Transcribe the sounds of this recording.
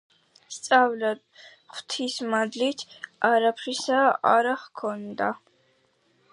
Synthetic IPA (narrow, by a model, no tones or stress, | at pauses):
st̪sʼavlad̪ | χt̪ʰismad̪lit̪ʰaɾapʰɾisaa̰ɾaχkʰɔnd̪a